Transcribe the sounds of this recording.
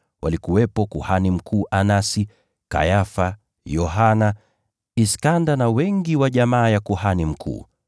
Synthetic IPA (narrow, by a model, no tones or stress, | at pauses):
wa̰likuwɛpɔkuhanim̩kʰuːʔanasi | ka̰jafa | jɔɦana | iskandanawɛŋɡiwaʄamaːjakuhanim̩kʰṵː